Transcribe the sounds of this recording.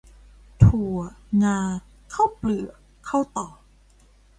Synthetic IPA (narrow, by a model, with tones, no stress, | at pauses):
t̪ʰu˨˩ɐŋaː˧ | kʰa˥˩wplɯ˨˩ɐ | kʰa˥˩wt̪ɔː˨˩